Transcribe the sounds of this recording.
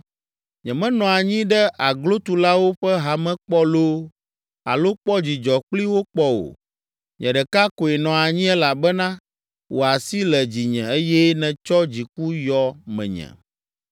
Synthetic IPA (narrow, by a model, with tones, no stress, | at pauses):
ɲɛ̃˨mɛ̃˦nɔ̃˨a˨ɲĩ˦ɖɛ˦ʔa˨ɡlo˦t̪u˨la˦wo˦ɸɛ˦ɦa˨mɛ̃˦k͡pɔ˦lo˦ | a̰˨lo˦k͡pɔ˦d͡ʑi˨d͡ʒɔ˨k͡pli˦wo˦k͡pɔ˦wo̰˨ | ɲɛ̃˨ɖɛ˨ka˦ko˨ɛ˨nɔ̃˨a˨ɲĩ˦ɛ˦la˨bɛ˦nã˦ | wo˨a˨si˦lɛ˨d͡ʑi˨ɲɛ̃˨e˦jɛ˦nɛ̃˨t͡ʃɔ˦d͡ʑi˨ku˦jɔ˨mɛ̰̃˨ɲɛ̰̃˨